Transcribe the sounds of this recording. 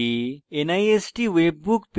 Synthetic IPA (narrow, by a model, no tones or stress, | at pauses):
ienaiesʈiʋeːb̚ːukp